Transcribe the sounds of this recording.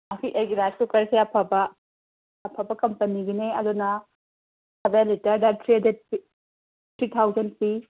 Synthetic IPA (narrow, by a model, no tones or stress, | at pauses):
ɐkʰiʔejɡiɾaskukɐɾseɐpʰabɐː | pʰabɐkɐmpɐniɡineɐdunɐ | ɐbelitɐɾdɐtʰɾiɐdet̚ | t̪ʰɾit̪ʰawzɐnpi